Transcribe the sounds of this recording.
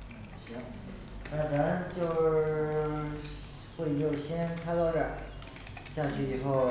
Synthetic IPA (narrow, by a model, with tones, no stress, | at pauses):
na˧˩˨ɕjɑ˥ŋ˧˩˥na˥˩t͡sa˧˥mt͡ɕjo˥˧ʊ | xwe˥˧ɪt͡ɕjo˥˩ʊɕjɛ˥nnk̪ʰa˥ɪt̪ɑ˥˧ʊʈ͡ʂə˨˩˦ | ɕja˥˧t͡ɕʰy˥˩i˨˩xo˥˩ʊ